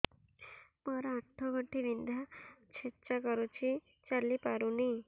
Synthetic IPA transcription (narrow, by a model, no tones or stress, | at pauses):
mɔɾɔaʈʰːɔɡʱɔɳʈʰibind̪ʱat͡ʃʰett͡ʃakɔɾut͡ʃʰi | t͡ʃalipaɾuni